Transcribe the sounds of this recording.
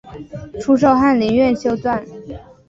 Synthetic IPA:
ʈ͡ʂʰu˥ʂ̬o˥˧ʊxa˥˩nli˧˥nɥɛ˥˩nɕjo˥ʊt͡swa˥˩n

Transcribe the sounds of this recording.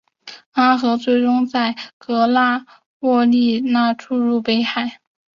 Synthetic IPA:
a˥xɤ˧˥t͡swe˥˩ɪʈ͡ʂʊ˥ŋt͡sa˥˩ɪkɤ˧˥la˥˧ | wɔ˥˧li˥˧na˥˧ʈ͡ʂʰu˥˧ɻu˥˩pe˥ɪxa˥˩ɪ

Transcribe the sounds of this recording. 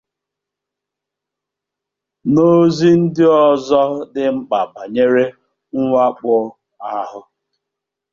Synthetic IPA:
no˦zi˦n̩˦dɪ˦ɔ˨zɔ˦dɪ˨m̩˦k͡pa˨ba˨ɲe˦ɾe˦ | ŋ̩˦ŋʷa˦k͡pʊ˦ | a˦ɦʊ˨

